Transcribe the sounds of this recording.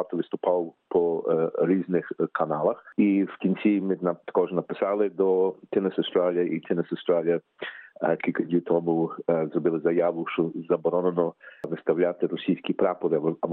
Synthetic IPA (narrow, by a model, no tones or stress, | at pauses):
ɑt̪ɔʋɪst̪ʊpɑwpʰɔɾʲiznɪxkʰɐnɑlˠɐxiwkʲinʲt͡sʲimɪnɐt̪ɐ̥kɔʒnɐpɪsɑlˠɪd̪ɔt̪ɪnɛsɐwst̪ɾalʲijɐʔit̪ʰɪnɪsɐwst̪ɾalʲijɐ | kʲilʲkɐdʲit̪ʰɔmʊzɾɔbɪlˠɪzɐjaʋʊʃt͡ʃɔzɐbɔɾɔnenɔʋɪst̪ɐwlʲat̪ɪɾɔsʲijsʲkʲipɾapɔɾɪɐ